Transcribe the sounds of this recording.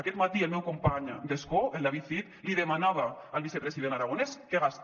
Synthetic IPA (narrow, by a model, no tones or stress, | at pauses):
akɛt̪mat̪ielmɛwkompaɲd̪eskoʔenlaβiθit̪liðemanaβaalβisepɾesiðenaɾaɣ̞onɛskeɣas